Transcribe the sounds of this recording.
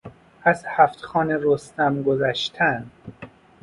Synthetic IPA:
æzhæft̪xɒːneɾost̪æmɡozæʃt̪ʰæn

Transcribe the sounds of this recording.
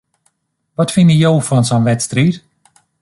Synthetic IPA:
ʋɔtfɪnəjowfɔnsɔnʋɛtstrit

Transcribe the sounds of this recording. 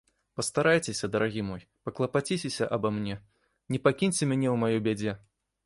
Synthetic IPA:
pɐst̪aɾajt͡sʲesʲɐd̪ɐɾaɣʲimɔj | pɐklˠɐpat͡sʲit͡sʲesʲɐʔɐbɐmnʲɛ | nʲɛpakʲinʲt͡sʲɛmʲanʲɛwmajɔbʲad͡zʲɛ

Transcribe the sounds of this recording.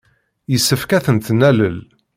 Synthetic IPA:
jəsːəfkæθənt̪næləl

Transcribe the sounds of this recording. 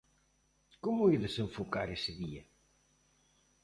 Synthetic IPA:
kʊmʊiðəsəɱfukaɾesəðiɐ

